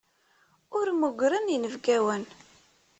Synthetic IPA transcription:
ʊɾmuɡʷɾənjinəvɡæwən

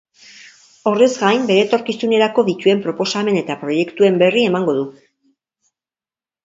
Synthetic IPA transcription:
o̞rezɡajmbe̞ɾe̞ːt̪o̞ɾkisune̞ɾako̞ðic̪ue̞mpɾo̞po̞same̞ne̞t̪apɾo̞je̞kt̪ue̞mbe̞rie̞maŋɡo̞ðu

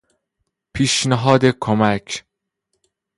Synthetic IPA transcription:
pʰiːʃnæɦɒːd̪ekʰomæcʰ

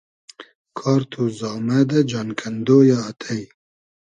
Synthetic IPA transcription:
kʰɑːɾt̪ʰuzɑːmad̪ad͡ʒɑːnkʰand̪oːjɑːt̪ʰaj

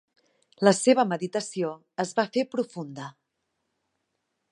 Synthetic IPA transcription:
ləseβ̞əməðit̪əsio | əzβafepɾufund̪ə

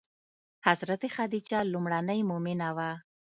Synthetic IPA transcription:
hazɾat̪exad̪it͡ʃɑlumɽanəjmʊmɪnawa

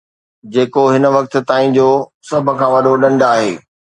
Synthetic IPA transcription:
d͡ʑeːkoɦɪnə̆ʋɐk̚t̪̆t̪aːĩd͡ʑoːsɐbʱʊ̆kʰãːʋɐɗʱoɗɐ̃ɳɖʱaːɦeː

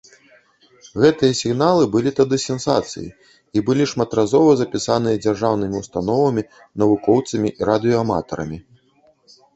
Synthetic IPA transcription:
ɣɛt̪ɨjɐsʲiɣnalˠɨbɨlʲit̪ɐd̪ɨsʲɛnsa̰t̪sɨ̰jḭ | ibɨlʲiʂmat̪ɾazɔvɐzɐpʲisan̪ɨjɐd͡zʲarʐawnɨmʲiwst̪anɔvɐmʲi | nɐvukɔwt̪sɐmʲiʔiɾad̪ɨjɔama̰t̪ɐɾɐ̰mʲi

